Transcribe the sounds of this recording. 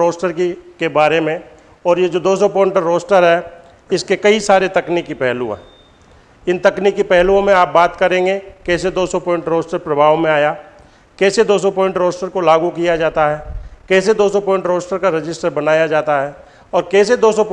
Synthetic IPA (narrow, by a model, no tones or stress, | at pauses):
ɾoːsʈəɾkikebaːɾemẽ | ɔːɾjed͡ʒoːd̪oːs̬ɔpɔːɪ̃ɳʈɾɾoːsʈəɾɦɛ | ɪskekɐisaːɾet̪ɐknikːipɛːɦluã̰ɦɛ | ɪnt̪ɐknikːipɛɦluõmẽaːp̚baːt̪kɐɾẽːŋɡekɛːs̬ed̪oːsɔpɔːɪ̃ɳʈɾoːsʈəɾpɾɐbʱaːʋmẽaːja | kɛːsed̪oːsɔpɔːɪ̃ɳʈɾoːsʈəɾkolaːɡukijad͡ʒaːt̪aɦɛːkɛːsed̪oːsɔpɔːɪ̃ɳʈɾoːsʈəɾkaɾɪd͡ʒɪsʈəɾbɐnaːjad͡ʒaːt̪aɦɛː | ɔːɾkɛːs̬ed̪oːsɔp